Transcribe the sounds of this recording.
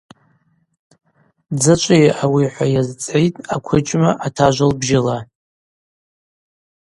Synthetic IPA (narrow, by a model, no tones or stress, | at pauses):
d͡zɨt͡ʃʷʼajʔawiħʷajazt͡sʼejtʼakʷʰʊt͡ʃʼmaʔatʰaʒʷalbʒɪla